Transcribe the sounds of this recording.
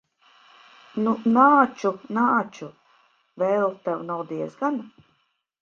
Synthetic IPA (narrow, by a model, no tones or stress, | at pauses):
nunaːt͡ʃunaːt͡ʃu | vɛːlˠt̪awnawd̪iɛzɡan